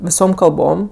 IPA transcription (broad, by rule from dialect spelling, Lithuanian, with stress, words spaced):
ʋʲɪˈsoːm kɐlˠˈboːm